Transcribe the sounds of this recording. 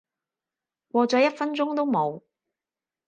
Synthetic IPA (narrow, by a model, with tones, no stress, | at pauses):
wɔː˧t͡sɔː˨˥jɐ˥t̚fɐ˥nt͡sʊ˥ŋt̪o˥wmo˨˧w